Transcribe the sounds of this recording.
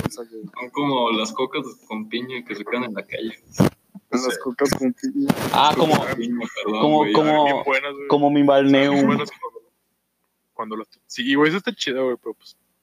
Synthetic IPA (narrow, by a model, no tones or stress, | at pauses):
sasoŋkomolaskokazekomt̪iɲokes̬ekeðanenlakaʝees | laskokaskomp̪iɲa̰komoiɲopeɾoomokomobwenazwekomomeimbalneuwenswand̪o | kwand̪olast̪siːwejs̬est̪at͡ʃiðawejpeɾopwe̥s